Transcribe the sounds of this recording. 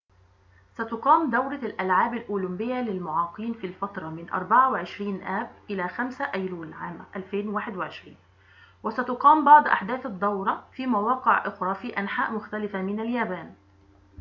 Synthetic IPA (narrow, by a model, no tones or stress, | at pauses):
sæt̪ʊqɑːmd̪awɾɑlʔalʕaːbalʔʊːlʊmbɪjːalɪlmʊʕɑːqiːnfiːlfɑt̪ɾˤɑmɪnʔɑ̰ɾˤbaʕawɪʕɪʃɾiːnʔæːb̚ʔɪlaːxamsaʔæjluːlʕaːmʔælfeːnwaːħɪd̪wɪʕɪʃɾiːn | wɪsæt̪ʊqɑːmbɑʕd̪ˤʔa̰ħd̪æːθɑd̪ˤːɑwɾˤɑfiːmawɑːqɪʕʔɪxɾˤɑfiːʔanħaːʔmʊxt̪alɪfamɪnaljaːbaːn